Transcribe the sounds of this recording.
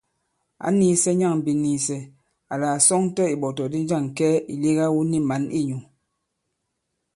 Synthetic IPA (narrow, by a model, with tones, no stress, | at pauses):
a̰˨˦ni˦sɛ˦ɲa˦˨ŋm̩˨bi˨ni˨sɛ˨ | a˨laː˨sɔ˦ŋ˦tɔ˦i˨ɓɔ˨tɔ˨di˦d͡ʒa˦˨ŋ˨kɛ˦i˨li˦ɣa˦wu˦ni˦ma˨˦nḭ˦ɲu˨